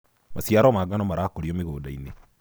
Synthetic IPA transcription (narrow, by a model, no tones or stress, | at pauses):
masjaɾɔmaɡanɔmaɾaːkoɾiomeɣoːdaine